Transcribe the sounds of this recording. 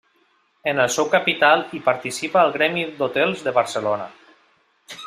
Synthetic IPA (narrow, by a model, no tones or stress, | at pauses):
ənəlˠsɛwkapit̪alˠipaɾt̪isipaːlˠɣɾɛmid̪ot̪ɛlˠzðəβəɾsəlona̰